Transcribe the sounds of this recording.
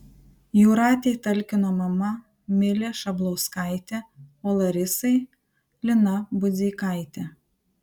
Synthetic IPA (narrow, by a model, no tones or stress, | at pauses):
juːɾɑːt̪ʲeɪt̪ɐlʲkʲɪnoːmɐmɐ | mʲɪlʲeːʃɐblˠɐʊskɐɪt̪ʲɛoːlˠɐɾʲɪsɐɪ | lʲɪnɐbʊzʲiːkɐɪt̪ʲɛ